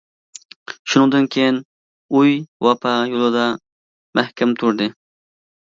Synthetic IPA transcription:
ʃunɨ̃ŋd̪ɨnkʲʰejin | ujwɑpʰɑjolˠɨd̪ɑ | mæhkʲʰɛmt̪ʰuɾd̪ɨ

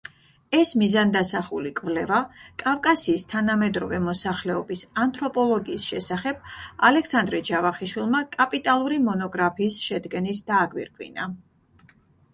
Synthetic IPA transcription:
ɛsmizand̪asaχulikʼvlɛvakʼavkʼasiːst̪ʰanamɛd̪ɾɔvɛmɔsaχlɛɔbisant̪ʰʼɾɔpʼɔlˠɔɡiːsʃɛsaχɛb̥̚alɛksand̪ɾɛd͡ʒavaχiʃwilˠmakʼapʼit̪ʼalˠuɾimɔnɔɡɾapʰiːsʃɛd̪ɡɛnit̪ʰd̪̥aːɡwḭɾkʰʼwḭna

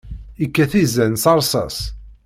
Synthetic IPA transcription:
ikːæθizænsɑɾˤsˤɑ̰s

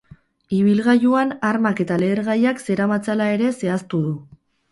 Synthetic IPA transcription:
iβ̞ilɣajuanaɾmake̞t̪ale̞ːɾɣajakse̞ɾamat͡salae̞ɾe̞se̞ast̪uðu

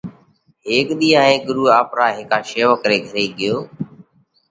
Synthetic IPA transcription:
ɦeːkɗ̪iːãːɦẽːɡʊɾuːaːpɾaːɦɪkaːʃeːʋəkɾeːɡʱəɾeːɠɪjoː

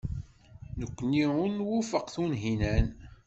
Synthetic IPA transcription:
nəkʷːəniʊɾnwufəqθunɦinæn

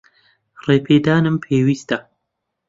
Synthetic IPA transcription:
reːpʰeːd̪aːnɨmpʰeːwiːst̪ɐ

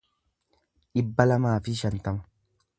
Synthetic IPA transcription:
ᶑɪbːɐlɐmaːfɪʃɐnt̪ɐmɐ̥

